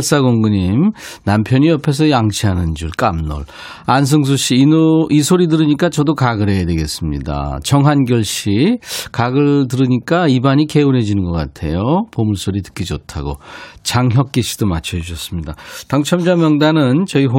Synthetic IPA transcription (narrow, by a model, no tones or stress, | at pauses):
s͈aɡoŋɡɯɲimnampʰjʌɲiʌpʰe̞s̬ʰʌjaŋɕʰiɦanɯnd͡ʑuɭk͈amnʌ̰ɭ | ans̬ʰɯŋs̬ʰoɕ͈iːoisʰoɾidɯɾɯɲik͈at͡ɕʌdokaɡɯɾe̞jadwe̞ɡe̞s͈ɯmɲḭda̰t͡ɕʌŋɦanɡjʌɭɕ͈ikaɡɯɭt̬ɯɾɯɲik͈aibaɲike̞unɦe̞d͡ʑinɯnɡʌk͈a̰tʰe̞̰jopomuɭs͈oɾitɯ̥k͈id͡ʑʌtʰaɡo̰t͡ɕaŋɦjʌk̚k͈iɕʰi̥d̥omat͡ɕʰʌd͡ʑuɕʰʌs͈ɯmɲidataŋt͡ɕʰʌmd͡ʑamjʌŋdanɯnt͡ɕʌiɦo